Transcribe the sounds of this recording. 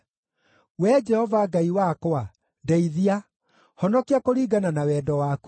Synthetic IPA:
wɛd͡ʒɛhɔvaɡaiwakowa | ndɛiðia | hɔnɔkiakoɾiɡananawɛːdɔwaku̥

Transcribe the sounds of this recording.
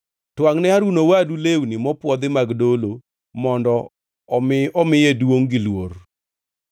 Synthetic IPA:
twaŋnɛaɾunowadulewnimɔpwɔd̪ɪmaɡdolo | mɔndɔ | ɔmɪjedwoŋɡɪlwor

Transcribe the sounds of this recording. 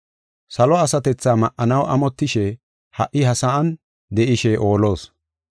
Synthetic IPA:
sɐlɔɐsɐt̪ɛt͡sːaːmɐʔʔɐnɐwʔɐ̰mɔt̪ːɪʃɛ | hɐʔɪɦɐsɐɐn | d̪ɛʔɪʃɛʔo̞ːlo̞ːs

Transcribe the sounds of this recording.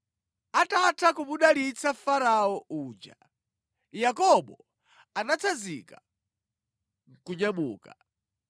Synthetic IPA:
atatʰakuɓuɗalit͡sʰafaɾaɔuːd͡ʒa̰ | jakɔɓɔ | anat͡sʰazika | ŋ̩kuɲamuːka

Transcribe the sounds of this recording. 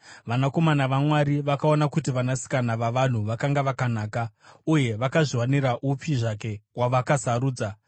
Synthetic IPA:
ʋanako̞manaʋamwaɾiʋakao̞nakut̬iʋanasi̥kanaʋaʋan̤uʋakaŋɡaʋakanaːkauje̞ʋakaʐiwaniɾaʔupʰiʐake̞waʋakasaɾuːd͡za

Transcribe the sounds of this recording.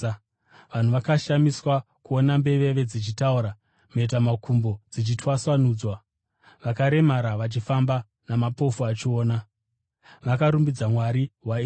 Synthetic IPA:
ʋan̤uʋakaʃamiswakuo̞nambe̞ʋe̞ʋe̞d͡zit͡ʃitauɾa | meit̬amakʰumbo̞d͡zit͡ʃitwaswanuːd͡zwa | ʋakaɾe̞maɾaʋat͡ʃifamba | namapo̞fuat͡ʃio̞ːna | ʋakaɾumbid͡zamwaɾiɦwai

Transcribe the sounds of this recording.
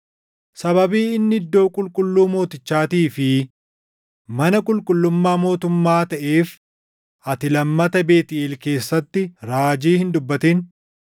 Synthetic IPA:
sɐbɐbiːɪnːɪɪd̪ːo̞ːkʼʊlkʼʊlːuːmo̞ːt̪ɪt͡ʃːaːt̪iːfɪ | mɐnɐkʼʊlkʼʊlːʊmːaːmo̞ːt̪ʊmːaːt̪ɐʔeːf | ʔɐt̪ɪlɐmːɐt̪ɐbeːt̪ɪʔeːlke̞ːsːɐt̪ːɪɾaːd͡ʒiːhɪnd̪ʊbːɐt̪en

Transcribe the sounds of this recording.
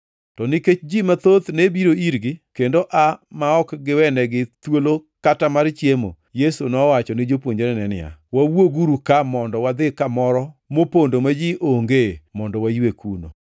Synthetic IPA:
tɔnɪket͡ʃd͡ʒimat̪ot̪nebiɾoiɾɡɪkendoʔamaɔkɡɪwɛnɛɡɪt̪wolokatamaɾt͡ʃjemo̰ | jesunɔwat͡ʃɔnɪd͡ʒopwoɲd͡ʒeɾɛnɛnɪ̰a̰wawoɡuɾukamɔndɔwad̪ɪkamɔɾɔmopondomad͡ʒɪʔoŋɡemɔndɔwajwekuno̰

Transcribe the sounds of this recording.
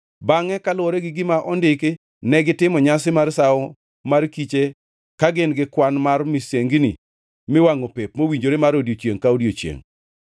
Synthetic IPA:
baŋɛkalwoɾeɡɪɡɪmaʔɔndɪk | nɛɡɪtɪmɔɲasɪmarsaɔ | markit͡ʃe | kaɡɪnɡɪkwanmarmiseŋɡinḭ | mɪwaŋopepmowiɲd͡ʒoɾemaɾodjot͡ʃjeŋkaodjot͡ʃjḛŋ

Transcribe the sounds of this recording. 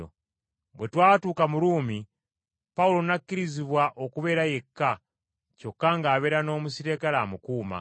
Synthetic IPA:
o̰ | bwe̞twaːtuːkamuɾuːmi | paulo̞nakːiɾiziβwaʔokuβe̞ːɾaje̞kːa | co̞kːaŋɡaːβe̞ːɾano̞ːmusiɾeːkalaːmukuːma̰

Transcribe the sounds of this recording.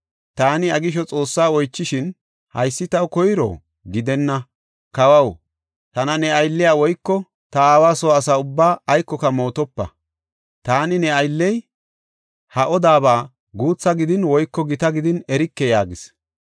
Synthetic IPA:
t̪aːnɪɐɡɪʃ̬ɔt͡sʼo̞ːsːaːɔjt͡ʃːɪʃɪn | hɐ̰jsːɪt̪ɐwkɔjɪɾɔ̰ | ɡɪd̪ɛnːɐ | kɐwɐw | t̪ɐnɐnɛɐjlːɪjaːwɔjkːɔ | t̪ɐaːwaːsɔɐsaːʊbːaːjkːɔkɐmo̞ːt̪ɔpːɐ | t̪aːnɪnɛɐjlːɛj | hɐʔɔd̪aːbaː | ɡuːt͡sːɐɡɪd̪ɪnwɔjkːɔɡɪt̪ɐɡɪd̪ɪnɛɾɪkːɛjaːɡɪs

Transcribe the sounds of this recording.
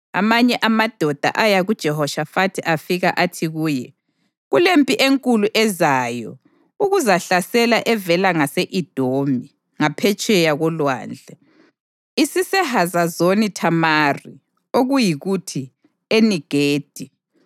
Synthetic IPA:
a̰maɲɛʔamad̥ʱɔd̥ʱa̰ʔajaɣud̥ʒ̥ʱɛhɔʃafatʰiʔafiɣa̰ʔatʰiɣuːjɛ | ɣulempʼiʔeŋkʼuluʔɛzaːjɔ̰ | uɣuzaɬasɛlaʔɛvɛlaŋaseʔid̥ʱomi | ŋapʰɛt͡ʃʼɛjaɣɔlwa̰ːnd͡ɮʱɛ | isisɛhazazonitʰamaːri | oɣujiɣutʰi | eniɡ̥ʱeːd̥ʱi

